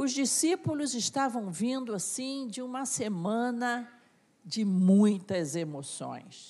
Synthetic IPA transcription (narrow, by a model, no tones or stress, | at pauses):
ʊzd͡ʒisipulʊzɪst̪avɐ̃w̃vĩnd̪ʊasĩd͡ʒɪũmɐsemɐ̃nɐ | d͡ʒɪmũj̃t̪ɐzemosõ̰j̃s